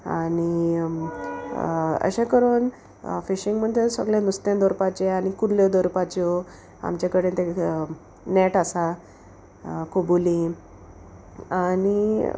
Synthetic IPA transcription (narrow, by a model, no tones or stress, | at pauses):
a̰ni | ə̰ɕẽkəɾuːn | fiɕiŋɡm̤əɳt̪esə̰ɡljãnust̪ãnd̪ɔɾupat͡ɕeaɽikuɾljed̪oɾpat͡ɕo | a̰mt͡ɕakəɽẽt̪ẽ | nɛʈasa | kobuli | ani